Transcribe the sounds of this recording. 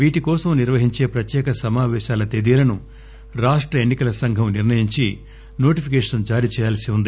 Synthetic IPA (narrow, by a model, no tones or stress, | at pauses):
ʋiːʈikɔːsɐmniɾʋɐɦiɲt͡ʃe̞ːpɾɐt̪jɛːkɐsɐmaːʋɛːʃaːlɐt̪eːd̪ijɐlɐnu | ɾaːʂʈɾɐenːikɐlɐsɐŋɡʱɐmniɾnɐjiɲt͡ʃi | no̞ːʈipʰikeːʂɐnd͡ʒaːɾiːt͡ʃɛːjaːlɐsiund̪i